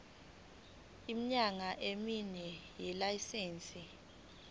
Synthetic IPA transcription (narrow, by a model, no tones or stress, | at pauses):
imiɲaŋaʔeminɛjɛlajiseːnt͡sʼi